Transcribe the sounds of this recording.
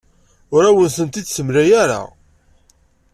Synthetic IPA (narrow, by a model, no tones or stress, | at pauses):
ʊɾæwənθənt̪id̪səmɾæjæɾa̰